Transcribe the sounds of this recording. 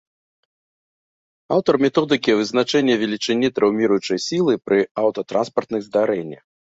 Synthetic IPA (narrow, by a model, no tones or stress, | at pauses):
awt̪ɐrmʲɛt̪ɔd̪ɨkʲivɨznat͡ʂɛnʲːɛvʲɛlʲit͡ʂɨnʲːit̪ɾɛwmʲiɾujut͡ʂɐjsʲilˠɨpɾɨawt̪ɐt̪ɾa̰nspɐrt̪nɨɣzd̪aɾɛnʲːɐ̰x